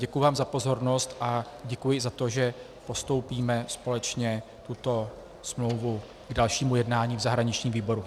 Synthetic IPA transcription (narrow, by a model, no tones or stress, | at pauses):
ɟɛkujʊvaːmzapo̞zo̞ɾno̞st̪ʔa | ɟɛkujɪzat̪o̞ʒɛ | po̞st̪o̞wpiːmɛspo̞lɛt͡ʃɲɛ | t̪ut̪o̞ | smlo̞wvu | ɡdalʃiːmujɛdnaːɲiːvzaɦɾaɲɪt͡ʃɲiːmviːbo̞ɾu